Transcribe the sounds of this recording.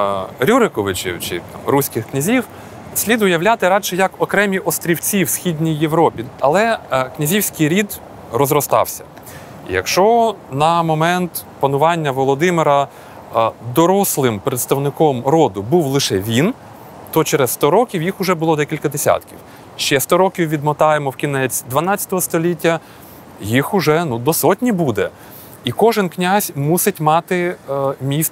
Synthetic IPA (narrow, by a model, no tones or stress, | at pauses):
ɾʲuɾɪkɔʋɪt͡ʃḭwt͡ʃɪ̰t̪ɑ̰mɾusʲkɪxknʲɐzʲiw | sʲlʲid̪ʊjɐwlʲat̪ɪɾɑt͡ʃɛjɐkɔkɾɛmʲiʔɔst̪ɾʲiwt͡sʲiwsʲxʲidʲnʲijːewɾɔpʲiɐlˠɛknʲɐzʲiwsʲkɪjɾʲid̪ | rɔzɾɔst̪ɑ̰wsʲɐ̥ | jɐ̰kʃt͡ʃɔnɐmɔmɛnt̪ | pɐnʊʋɑnʲːɐʋɔlˠɔd̪ɪmɪɾɐ | d̪ɔɾɔslˠɪmpɾet̪st̪ɐwnɪkɔmɾɔd̪ʊbuwlˠɪʃɛʋʲin | t̪ɔt͡ʃɛɾesst̪ɔɾɔkʲiwjixʊʒɛbʊlˠɔd̪ɛkʲilʲkɐd̪esʲa̰t̪kʲiw | ʃt͡ʃɛst̪ɔɾɔkʲiwʋʲid̪mɔt̪ɑjemɔwkʲinɛt͡sʲd̪ʋɐnɑt͡sʲːɐ̥t̪ɔɦɔst̪ɔlʲitʲːɐ | jixʊʒɛnud̪ɔsɔtʲnʲibud̪ɛ | ikɔʒɪnknʲazʲmusɪtʲmɑt̪ɪmʲist̪